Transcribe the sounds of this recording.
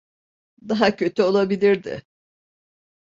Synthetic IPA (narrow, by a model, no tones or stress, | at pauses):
d̪aɦacʰø̞t̪ʰyo̞lˠabilʲiɾd̪ɪ̰